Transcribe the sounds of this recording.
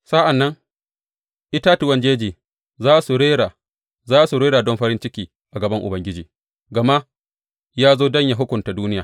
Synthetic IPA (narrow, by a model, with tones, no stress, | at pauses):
sa˦ʔa˨nːɐ˦ŋ | ʔɪ˦ta˦tu˨wɐ˨nd͡ʒeː˦d͡ʒiː˨ | zaː˦su˨ɽeː˦ɽa˨ | zaː˦su˨ɾeː˦ɽaː˨dɔ˦mɸɐ˦ɾɪ˦nt͡ʃɪ˦kʲiː˨ | ʔa˨ɡɐ˨bɐ˦ŋʔʊ̰˨bɐ˦ŋɡʲɪ˦d͡ʒiː˨ | ɡɐ˨ma˦ | jaː˦zoː˦dɐ˦ɲja˨ɦʊ˦kʷʊ˨nta˨duː˦nɪ˦jaː˨